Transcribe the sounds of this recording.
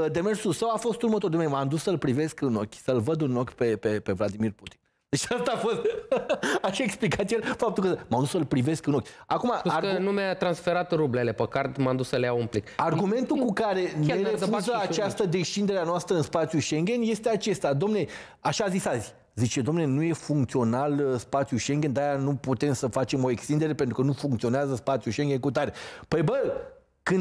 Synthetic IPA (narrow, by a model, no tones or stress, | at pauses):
d̪e̞me̞rsulsəwafo̞st̪urmət̪o̞rd̪onemand̪usːəlpɾive̞skɨnokʲsəlvəd̪ɨno̞kʲpe̞pe̞pe̞vlad̪imirput̪i̥n | d̪et͡ʃast̪afo̞st̪ | aʃe̞ksplikat̪ʲijelfap̚t̪ulkəmand̪usəlpɾive̞skɨno̞kʲakumaaənumeat̪ɾansfeɾat̪ɾublelepəkart̪mand̪usəlejaumplikarɡɡume̞nt̪ukukaɾe̞neɾefuzəat͡ʃast̪əd̪e̞ʃt͡ʃind̪e̞ɾeanoast̪ɾəɨnspat̪sijuʃe̞ŋɡʲe̞nje̞st̪eat͡ʃe̞st̪ad̪omne̞ | aʃaːzisazʲ | zit͡ʃe̞d̪oomne̞nuje̞fuŋkt̪sio̞nalspat̪sijuʃe̞ŋɡʲe̞nd̪ajanuput̪e̞msəfat͡ʃemo̞e̞kst̪ind̪e̞ɾe̞pent̪ɾukənufuŋkt̪sio̞neazəspat̪sijuʃeŋɡʲe̞nkut̪aɾepəjbə | kɨnd̪